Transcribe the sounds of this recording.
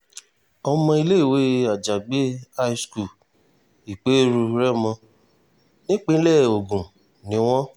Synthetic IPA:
ɔ˧mɔ̃˧˦i˧le˦i˦˨we˨˦a˨d͡ʒa˨ɡ͡be˨˦a˦˧i˧sku˦˨ | i˨k͡pe˨˦ɾu˧ɾɛ˦˨mɔ̃˧ | nĩ˦k͡pe˦lɛ˦˨o˨ɡũ˨ | nĩ˨˦w̃ɔ̃˦

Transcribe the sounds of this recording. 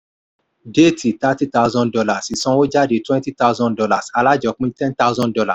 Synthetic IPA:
de˦˨ti˨ta˦ti˦ta˧˦uzɔ̃˦ndɔ˧la˨si˨sɔ̃˦wo˦d͡ʒa˦de˨twɛ̃˦nti˦ta˦ʊ˦zɔ̃˦ndɔ˧la˨sa˧la˦d͡ʒɔ˨k͡pĩ˦tɛ̃˦nta˦ʊzɔ̃˦ndɔ˧la̰˨

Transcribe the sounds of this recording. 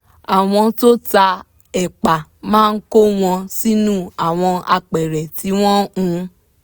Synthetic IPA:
a˨w̃ɔ̃˧to˦ta˧ | ɛ˨k͡pa˨mãː˦˧n̩˦ko˦w̃ɔ̃˧si˦nũ˦a˨w̃ɔ̃˧a˧k͡pɛ˨ɾɛ˨ti˨˦w̃ɔ̃˦ũ˧

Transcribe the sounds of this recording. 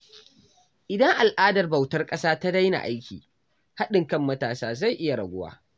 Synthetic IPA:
ʔɪ˨dɐ˦ŋʔa˨lʔaː˦dɐ˨rbɐ˨wtɐ˦rkʼɐ˦saː˦ta˦da˦jna̰˨ʔa˦jkʲḭː˨ | ha˦ɗɪ˨ŋkɐ˦mːɐ˦taː˨saː˦za˦˨jʔɪ˦ja˨ɽɐ˨ɡʷʊ˦wa̰ː˦

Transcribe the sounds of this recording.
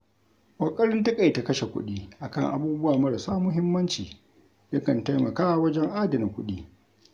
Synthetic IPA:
wʷʼɐ˨kʼɐ˦ɽɪ˦ntɐ˦kʼa˨jta˨kɐ˦ʃe˨kʷʊ̰˦ɗiː˦ʔa˨kɐ˦˨ŋʔa̰˨buː˦bʊ˦waː˨mɐ˦ɽɐ˨saː˦mʊ˦ɦɪ˦mːɐ˦nt͡ʃiː˨ | jɐ˦kɐ˨nta˦jmɐ˨kaː˦wɐ˦d͡ʒɛ˦ŋʔaː˦dɐ˨nɪ˨kʷʊ̰˦ɗiː˦

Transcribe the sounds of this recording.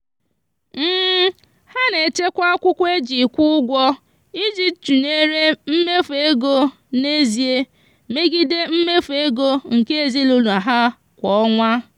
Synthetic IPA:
m̩˦ | ha˦ne˨t͡ʃe˦kʷa˦a˦kʷʊ˦kʷe˦d͡ʒi˨kʷu˦ɡʷɔ˦ | i˦d͡ʒi˦t͡ʃu˨ne˦ɾe˦m̩˦me˦fe˦ɡo˦ | ne˦zi˨e˦ | me˦ɡi˦de˦m̩˦me˦fe˦ɡo˦ŋ̩˨ke˦e˨zi˦lo˦lu˨a˨ɦa˦ | kʷɔ˨ɔ˦ŋʷa˦

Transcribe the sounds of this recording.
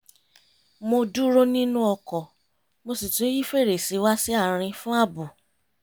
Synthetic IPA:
mo˧du˦ɾo˦nĩ˦nũ˦ɔ˧kɔ˨ | mo˧si˨to˨˦ji˦fe˦˨ɾe˨si˨˦wa˦si˦a˦˨ɾ̃ĩ˧fũ˦a˦˨bu˨

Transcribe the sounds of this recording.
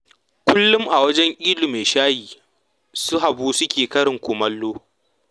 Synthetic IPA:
kʷʊ˦lːʊ˦mʔa˨wɐ˦d͡ʒɛ˦ŋʔʲʼiː˦lu˨meː˨ʃaː˦jiː˨ | sʊ˦ɦa˨buː˦sʊ˦kʲeː˨kɐ˦ɽɪ˨ŋkʷʊ˨mɐ˦lːoː˦

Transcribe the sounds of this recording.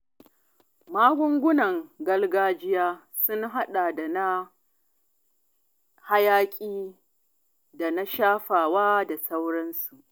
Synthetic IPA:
maː˦ɡʷʊ˦ŋɡʷʊ˦nɐ˨ŋɡɐ˦lɡaː˦d͡ʒɪ˦jaː˦ | sʊ˦ŋɦa˦ɗa˨da˨na˦ | ha˦jaː˦kʲʼiː˦ | da˨na˦ʃaː˦ɸaː˨waː˦da˨sa˦wɽɐ˦nsu˨ʔ

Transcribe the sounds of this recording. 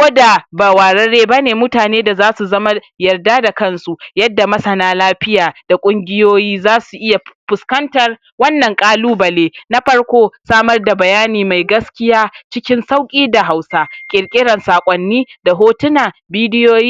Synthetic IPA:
kʷʼoː˦da˨ba˨waː˨ɾɐ˦ɽeː˦ba˦neː˨mʊ˦taː˨neː˦da˨zaː˦su˨zɐ˦ma˦ | jɐ˨rdaː˦da˨kɐ˦nsu˨jɐ˦dːa˨mɐ˦sɐ˨naː˦laː˦ɸɪ˦jaː˨d̥a˨kʷʼʊ˦ŋɡʲɪ˦joː˦jiː˦zaː˦su˨ʔɪ˦ja˨ɸʊ˨skɐ˦ntɐ˨r | wɐ˦nːɐ˨ŋkʼaː˦luː˦bɐ˨leː˦na˦ɸɐ˦ɽkʷoː˦saː˦mɐ˦rda˨bɐ˨jaː˦niː˨ma˨jɡɐ˦skʲɪ˦jaː˦t͡ʃɪ˦kʲɪ˦nsa˦wkʲʼiː˦da˨ɦa˨wsaː˦kʲʼɪ˨ɽkʲʼɪ˦ɽɐ˨nsaː˨kʷʼɔ˦nːiː˦da˨ɦoː˦tʊ˦naː˨biː˦dɪ˦joː˦jiː˦

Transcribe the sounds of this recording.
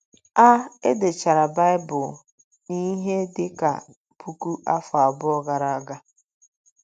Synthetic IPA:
a˦e˦dɪ˨t͡ʃa˨ɾa˨ba˦ɪ˦bʊ˨ | ni˦ɦe˦dɪ˦ka̰˨ | pʰu˦ku˦ʔa˦fa˨bʊ˦ɔ˦ɡa˨ɾa˦a˦ɡa˦

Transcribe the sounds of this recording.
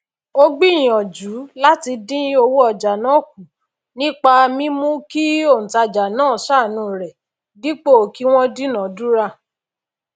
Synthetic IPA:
o˦ɡ͡bi˦˨j̃ɔ̃˨d͡ʒu˨˦la˦ti˧dĩ˦o˧wo˦ɔ˧˨d͡ʒa˨nã˨˦˨k̚u˨ | nĩ˦k͡pa˧mĩ˦mũ˦ki˦o˦˨ñ̩˨ta˧˨d͡ʒa˨nãː˦˨sa˦˨nũ˧˨ɾɛ˨ | di˦k͡po˦˨ki˦w̃ɔ̃˦dĩ˦nã˨˦du˦ɾa˧˨

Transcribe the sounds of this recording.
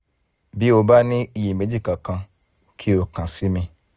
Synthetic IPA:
bi˦o˧ba˦nĩ˦i˧ji˨me˨˦d͡ʒi˦˨kã˨kã˧ | kʰi˦o˨kã˨si˨˦mĩ˧

